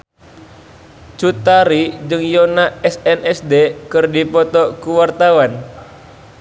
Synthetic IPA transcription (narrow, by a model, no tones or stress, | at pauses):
t͡ʃut̪aɾid͡ʒɨŋjɔnaɛsɛnʔɛsdekɨrdipɔt̪ɔkuwart̪awan